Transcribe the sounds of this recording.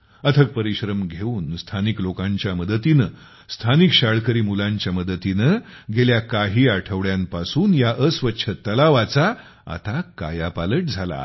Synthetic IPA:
ət̪ʰək̚pəɾiɕɾəmɡʱeuːnst̪ʰaniklokãɲt͡ɕjaməd̪ət̪inə | st̪ʰanikɕaɭkəɾiːmulaɲt͡ɕjaməd̪ət̪inəɡeljakaɦiːaʈʰəʋɭjãmpasuːnjaʔəsʋətːɕʰət̪əlaʋat͡sa | a̰t̪aka̰japaləʈ̚d͡zʱala̰

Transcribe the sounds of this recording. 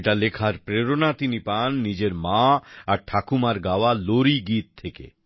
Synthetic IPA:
eʈalekʰaɾpɾeɾonat̪inipanːid͡ʑeɾmaaɾʈʰakumaɾɡaoaloɾiɡit̪̚ʰːekḛ

